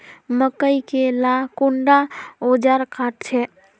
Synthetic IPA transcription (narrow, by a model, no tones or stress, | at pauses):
məkəjkelakuɳɖaod͡ʒaɾkaʈ̚t͡ʃʰɛ